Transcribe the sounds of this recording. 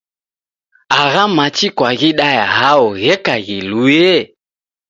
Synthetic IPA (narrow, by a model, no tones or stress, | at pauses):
aɣamat͡ʃikwaɣiɗajaɦaɔɣɛkaɣilujɛ